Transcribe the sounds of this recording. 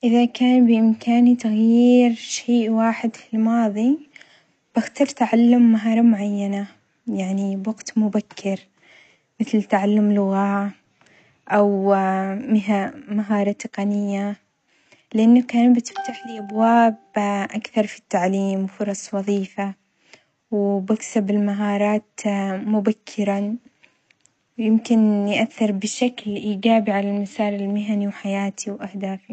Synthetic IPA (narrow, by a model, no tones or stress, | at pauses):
ʔɪðakaːnbɪʔɪmkʰaːnit̪aɣjiːɾʃeːʔwaːħɪd̪fɪlmɑːðˤi | b̥axt̪ɑft̪aʕalːʊmːaɦɑːɾˤɑmʊʕajːana | jaʕnibwaɡt̪mʊbakʰːɪɾ | mɪθlt̪aʕalːʊmlʊɣaː | ʔaw | mɪɦamaɦɑːɾˤɑt̪ɪqɑnɪjːa | lɪʔanːakanbɪt̪ɪ̥ft̪aħliʔabwaːbʔakθɑɾˤfi̥t̪ːaʕliːmwfʊɾˤɑsˤwɑðˤiːfa | wbaksabɪlmaɦɑːɾˤɑːt̪mʊbakʰːɪɾa | wjɪmkɪnjʔaθːɪɾˤbɪʃaklʔiːd͡ʒaːbiʕalalmasaːlɪlmɪɦaniwħajaːt̪ʰiwʔahd̪aːfi